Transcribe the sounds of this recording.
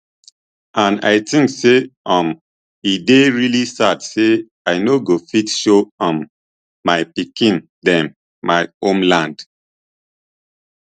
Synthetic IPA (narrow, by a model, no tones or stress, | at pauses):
ʔãna̰ɪtĩŋkseɔ̃m | ideɹilisadse | aɪnoɡofitʃoɔ̃mː | aɪpikĩn | dɛ̃m | mːaɪõmlãnd̥